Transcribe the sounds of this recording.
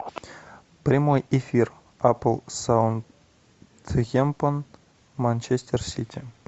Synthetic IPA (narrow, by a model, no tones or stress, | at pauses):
prʲimojefʲir | apəlˠsan | t̪ɣʲempən | manʲt͡ɕesʲt̪ʲersʲitʲʰi